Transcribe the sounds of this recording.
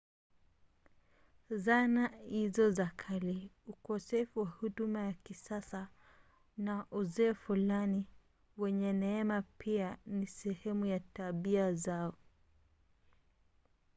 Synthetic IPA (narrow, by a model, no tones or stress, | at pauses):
zanahizɔzakʰaliukɔsɛfuwahuɗumajakisasa | naʔuzɛːfulani | wɛɲɛnɛɛmapianisɛhɛmujataɓiazaɔ